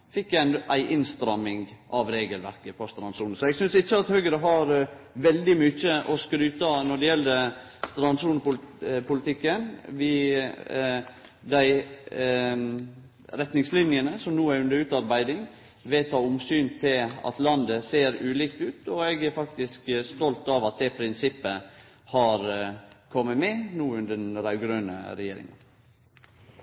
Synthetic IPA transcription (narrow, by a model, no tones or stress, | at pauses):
fɪkːæɪnæɪʔɪnst̪ɾɑmɪŋʔɑʋɾeːɡəlʋæ̰ɾkəpʰɔst̪ɾɑnsuːnəsɔɛɡsʏnsɪçːəɑt̪hœɡəɾəɦɑɾʋɛld̪ɪmʏt͡ʃːəʔɔskɾyːt̪ənɔɖɛjɛld̪ə | st̪ɾɑnsuːnəpʊpʰʊlɪt̪ʰɪkːənʋɪ | d̪æɪ | ɾɛt̪nɪŋslɪnjənəsɔmnuːæʉnd̪əɾʉːt̪ɑɾbæɪd̪ɪŋ | ʋeːt̪ʰːɑːʊmsyːnt̪ʰɪlɑ̰t̪lɑnd̪əseːɾʉːliːkt̪ʉːt̪ɔɛɡæɾfɑkt̪ɪskst̪ɔlt̪ɑʋɑt̪̚d̪ɛpʰɾɪnsɪpːə | hɑɾkʰɔmːəmɛnuːʉnd̪ənəɾæɪɡɾøːnə̰ɾɛjeːɾɪ̰ŋə̰n